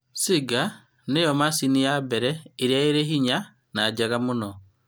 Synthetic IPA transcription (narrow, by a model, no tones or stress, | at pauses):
siɡa | nejɔmasinijabɛɾɛiɾjaeɾeɦiɲa | naːd͡ʒaɣamunɔ